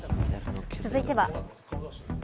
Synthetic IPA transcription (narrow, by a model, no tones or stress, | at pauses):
t͡sɨzɨit̪e̞βa